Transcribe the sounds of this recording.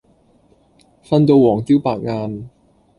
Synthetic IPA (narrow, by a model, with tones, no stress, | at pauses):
fɐ˥nt̪̬o˧wwɔː˨˩ŋt̪iː˥wpaː˨k̚ŋaː˧n